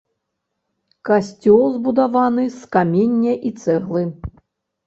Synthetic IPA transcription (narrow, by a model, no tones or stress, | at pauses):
kasʲt͡sʲɔlˠzbud̪avanɨskamʲenʲːɐʔit̪sɛɣlˠɨ